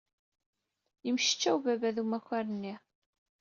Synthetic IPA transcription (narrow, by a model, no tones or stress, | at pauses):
jəmʃə̥t͡ʃːæwvævæðumæçæɾənːi